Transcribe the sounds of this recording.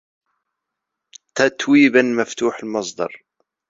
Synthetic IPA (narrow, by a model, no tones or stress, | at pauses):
t̪at̪wiːbanmaft̪uːħalmɑsˤd̪ɑ̰ɾˤ